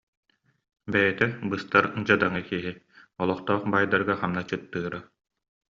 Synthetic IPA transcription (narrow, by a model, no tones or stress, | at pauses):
bɛjɛt̪ɛbɯst̪aɾd͡ʑad̪aŋɯkiɦi | ɔlˠɔχt̪ɔːχbajd̪aɾɡaχamnat͡ɕɯt̪ːɯːɾa